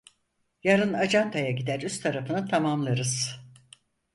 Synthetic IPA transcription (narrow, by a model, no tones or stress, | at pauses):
jaɾɯnad͡ʒant̪ʰajaɟid̪æɾyst̪ʰaɾafɯnɯt̪ʰamamlˠaɾɯz̥